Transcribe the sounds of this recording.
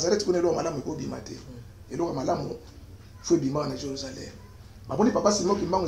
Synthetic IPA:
zaɾɛtkunalɔkalamuekobima̰tɛ̰ | elɔkamalamṵ | foebimakanaʒeʁuzalɛ̰m | bamɔnipapasimokimbaŋɡo

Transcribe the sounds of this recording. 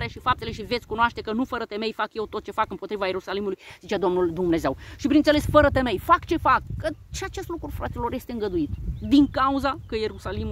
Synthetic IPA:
ɾeaʃifap̚t̪e̞le̞ʃivet̪sʲkunoaʃt̪e̞kənufəɾət̪e̞me̞jfakje̞wt̪o̞t̪̚t͡ʃe̞fakɨmpo̞t̪ɾivaje̞ɾusalimulujzit͡ʃad̪o̞mnuld̪umne̞ze̞wʃipɾint̪sele̞sfəɾət̪e̞me̞jfakt͡ʃe̞fakːəʃiat͡ʃe̞st̪lukɾufɾat̪ilo̞ɾje̞st̪eɨŋɡəd̪uit̪d̪iŋkauzakəje̞ɾusalimu

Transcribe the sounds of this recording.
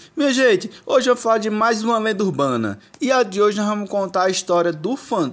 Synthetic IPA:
mẽɐʒẽt͡ʃɪoʒɪvɐ̃mʊsfalaɾd͡ʒɪmajzũmɐlẽd̪ɐuɾbɐ̃nɐ̰iad͡ʒɪoʒɪnɔzvɐ̃mʊskõnt̪aɾɐiʃt̪ɔɾiɐd̪ʊfɐ̃

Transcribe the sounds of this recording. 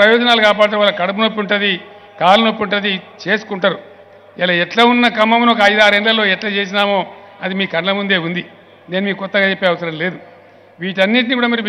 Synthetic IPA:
pɾɐjɔːd͡ʒɐnaːlukaːpaːɽt̪ːʋaːlːɐkɐɽɐpunopːuɳʈɐd̪i | kaːlɐnopːuɳʈɐd̪it͡ʃe̞ːsu̥kuɳʈɐɾu | ilɐɛʈlaːunːɐkɐmːɐmunokɐɐjd̪aːɾeɳlɐlo̞ːɛʈlaːt͡ʃeːs̬inaːmo̞ː | ɐd̪imiːkɐɳlɐmund̪e̞ːund̪i | ne̞ːnumiːkukɔt̪ːɐɡaːt͡ʃepːeːɐʋɐsɐɾɐmle̞ːd̪u | ʋiːʈ̬ɐnːiʈ̬nikuːɽaːmɐɾi

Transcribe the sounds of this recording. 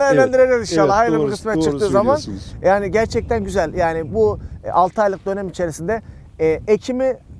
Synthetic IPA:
ɛɾlʲænd̪iɾeɾɛzinʃalˠːaːhajɾabiɾkʰɯsmɛt̪ːt͡ʃʰɯkt̪ɯːzamanjaːniɟæɾt͡ʃʰɛc̚t̪ʰænɟyzælʲjaːnibualˠt̪ʰɯajlˠɯk̚d̪ø̞nɛmit͡ʃʰe̞ɾisind̪ɛ | ecʰimi

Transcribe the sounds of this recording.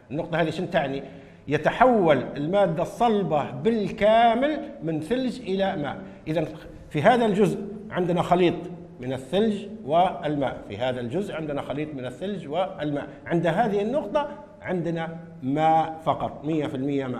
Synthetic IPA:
ɪnːʊqt̪ˤɑhaːðiʃɪnt̪aʕni | jɪt̪aħawːalɪlmaːd̪ːasˤːɑlbɑbɪlkaːmɪlmɪnθɪld͡ʒʔɪlama̰ːʔ | ʔɪðan | fiɦaːðald͡ʒʊzʔʕɪnd̪naxɑliːt̪ˤ | mɪnɪθːɪld͡ʒwɪɪlma̰ːʔfḭɦaːðald͡ʒʊzʔʕɪnd̪ɪnaxɑliːt̪ˤmɪnɪθːald͡ʒwɪlma̰ːʔʕɪnd̪aɦaːðɪhɪnːʊqt̪ˤɑ | ʕɪnd̪na | maːʔfɑqɑt̪ˤmɪjːafɪlmɪjːamaː

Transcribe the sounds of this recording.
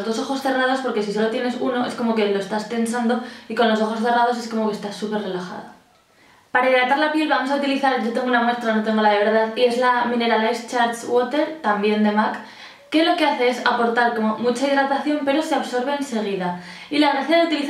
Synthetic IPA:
zðoso̞xo̞sθe̞rað̞o̞spo̞ɾke̞siso̞lo̞t̪je̞ne̞suno̞e̞sko̞mo̞ke̞lo̞est̪ast̪e̞nsand̪o̞iko̞nlo̞s̬o̞xo̞sθe̞rað̞o̞se̞sko̞mo̞kest̪asːupe̞rre̞laxa̰ðo | paɾaiðɾat̪aɾlapje̞lβamo̞saut̪iliθaɾɟ͡ʝo̞t̪e̞ŋɡounamwe̞st̪ɾano̞t̪e̞ŋɡo̞laðeβ̞e̞ɾðaðie̞zlamĩne̞ɾalajst͡ʃaɾswot̪e̞ɾt̪ambje̞nd̪e̞makː | e̞lo̞ke̞aθe̞e̞sapo̞ɾt̪aɾko̞mo̞mut͡ʃaiðɾat̪aθjo̞mpe̞ɾo̞seaβso̞ɾβe̞ːnse̞ɣ̞iða | ilaɣreθeɾeut̪iliθ

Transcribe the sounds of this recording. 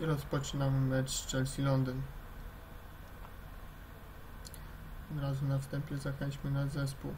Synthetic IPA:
ɾɔspɔt͡ʂɘnammɛt͡ʂt͡ʂɛlsʲilɔnd̪ɘn | ɔd̪ɾazunafst̪ɛmpʲjɛzaxɛɲt͡ɕmɘnazɛs̬puw

